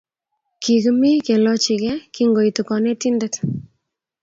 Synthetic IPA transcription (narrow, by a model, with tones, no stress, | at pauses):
ki˨kmi˦ke˨lɔ˦t͡ʃi˨kɛ˦ki˦ŋɡo˨i˨tu˨kɔ˨ne˦ti˦ndɛ˦t